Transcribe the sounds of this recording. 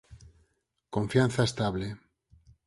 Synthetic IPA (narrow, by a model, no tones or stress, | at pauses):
kõɱfjan̟θaest̪aβle